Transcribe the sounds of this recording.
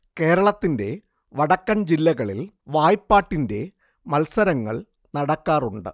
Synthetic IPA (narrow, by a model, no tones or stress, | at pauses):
ke̞ːɾɐɭɐt̪ːinde̞̰ | ʋɐɽɐkːɐnd͡ʑilːɐɣɐɭil | ʋaːjpːaːʈːinde̞ | mɐlsɐɾɐŋːɐ̰ɭ | nɐɽɐkːaːruɳɖɨ̰